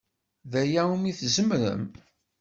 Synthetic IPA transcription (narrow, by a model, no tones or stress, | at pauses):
ðæjæumiθzəmɾə̰m